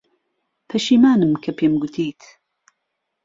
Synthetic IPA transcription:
pʰɐʃiːmaːnɨmkʰɐpʰeːmɡut̪ʰiːt̪ʰ

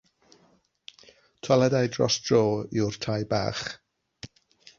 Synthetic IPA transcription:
tʰwalˠɛdajdrɔ̰sd̥roːiwr̥tʰajba̰ːχ

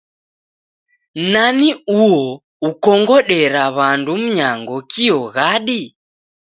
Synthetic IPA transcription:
naniuɔ | ukɔŋɡɔɗɛɾaβandum̩ɲaŋɡɔkiɔɣaɗi

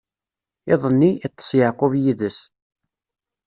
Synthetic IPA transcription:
ɪðˤənːiːt̪ˤːə̥sjəʕqʊvjiðəs

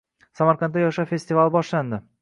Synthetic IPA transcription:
samaɾqant̪ːajɒʃafe̞st̪ɪvalˠbɒʃland̪ɪ

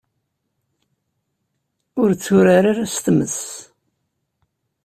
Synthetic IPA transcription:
ʊɾt͡sːuɾaɾaɾast̪məs

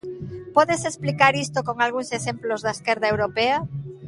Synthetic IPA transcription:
pɔðesesplikaɾist̪okoŋalɣ̞uŋsesemplozðaeskeɾðaewɾopea

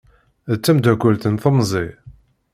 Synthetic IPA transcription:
ət͡sːæmd̪ækʷːəlθənθəmzˤi

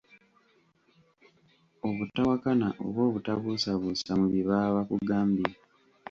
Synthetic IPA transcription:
o̞βutːawakanaʔo̰βwo̞ːβutaβusaβusamuβiβaβakuɡaːmbia

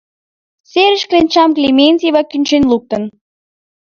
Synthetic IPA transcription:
sʲeɾʲɘ̆ʃklʲenʲt͡ɕɑmklʲemʲenʲtʲivɑkʲynʲt͡ɕenʲlˠuk̚t̪ɤ̆n

